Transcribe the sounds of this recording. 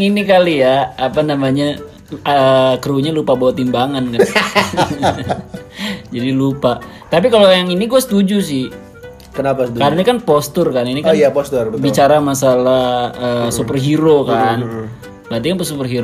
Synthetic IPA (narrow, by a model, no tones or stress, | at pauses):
ŋinikalijaapanamaɲa | kəɾuɲalupabawat̪imbaŋankan | d͡ʒadilupa | t̪ap̬ikalojaŋiniɡuasə̥t̪ud͡ʒus̬ɪh | kənapkadaɲakanpɔst̪ʊrkaninikajapost̪ərbəbit͡ʃaɾamasalahəsupərɦiɾokan | bant̪ikanpəsupərɦiɾo